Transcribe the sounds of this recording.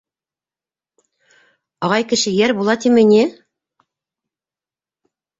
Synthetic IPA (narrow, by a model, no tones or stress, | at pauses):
ɑʁɑjkɘ̆ʃɘ̆jæɾbulˠɑt̪imɘ̆nʲi